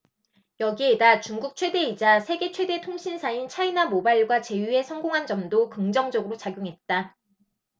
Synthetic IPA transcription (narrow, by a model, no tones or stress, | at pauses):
jʌɡie̞dat͡ɕuŋɡuk̚t͡ɕʰwe̞de̞id͡ʑasʰe̞ɡe̞t͡ɕʰwe̞de̞tʰoŋɕʰinsʰaint͡ɕʰainamobaiɭɡwat͡ɕe̞jue̞sʰʌŋɡoŋɦand͡ʑʌmdokɯŋd͡ʑʌŋd͡ʑʌɡɯɾot͡ɕaɡjoŋɦe̞t̚t͈a